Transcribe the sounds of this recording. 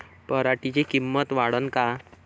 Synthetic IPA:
pəɾaʈit͡ɕekimːət̪ʋaɽənka

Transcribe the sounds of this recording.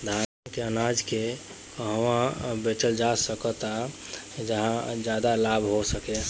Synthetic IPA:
d̪ʱa | keənad͡ʒke | kəɦwãbet͡ʃəld͡ʒasəkət̪a | d͡ʒəɦãd͡ʒjaːd̪alabʱɦosəke

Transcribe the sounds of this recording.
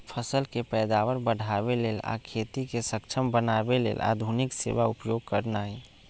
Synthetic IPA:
pʰəsəlkepɛːd̪aːʋəɾbəɽ̤ʱaːbeleːla̰kʰeːt̪ikesəkt͡ʃʰəmbənaːbelḛːlʔa̰ːd̪ʱunɪksḛːʋaʊpjoɡ̚kəɾnaːi

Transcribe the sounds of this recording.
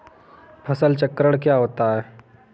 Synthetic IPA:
pʰəsəlt͡ɕəkɾəɽ̃kjaɦot̪aɦɛ

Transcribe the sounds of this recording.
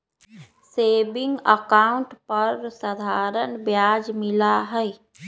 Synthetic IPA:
sebɪ̃ŋɡəkaʊ̃ɳʈpəɾsəd̪ʱaɾənbjad͡ʒmɪlaɦəɪ

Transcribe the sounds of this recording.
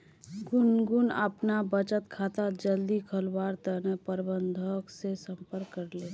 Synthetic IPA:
ɡʊnɡʊnə̰pnabət͡ʃət̪kʰaːt̪ad͡ʒəld̪ikʰəlwaːɾt̪ənəpəɾbənd̪ʱəksesə̃mpəɾkːəɾle

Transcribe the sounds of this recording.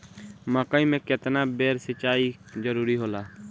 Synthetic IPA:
mãːkəĩmɛ̃ːket̪naːbeːɾsət͡ʃaːid͡ʒəɾuːɾiːɦoːlaː

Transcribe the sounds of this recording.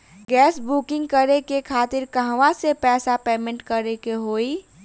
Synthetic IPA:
ɡɛːsbuːkɪ̃ŋɡkəɾekekʰaːt̪ɪɾkəɦʋasepɛːsapeːmẽɳʈkəɾekeɦoːi

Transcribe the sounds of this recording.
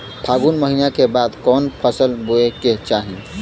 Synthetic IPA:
bʱʰaːɡunməɦinakebaːd̪kɔːnpʰəsəlboeket͡ʃaːɦĩ

